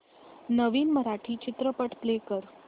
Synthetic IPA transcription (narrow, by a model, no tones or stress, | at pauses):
nəʋiːnməɾaʈʰiːt͡ɕɪt̪ɾəpəʈʰplekəɾ